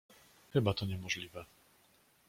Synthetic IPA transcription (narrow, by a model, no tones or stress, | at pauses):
xɘbat̪ɔɲɛmɔʐlʲivɛ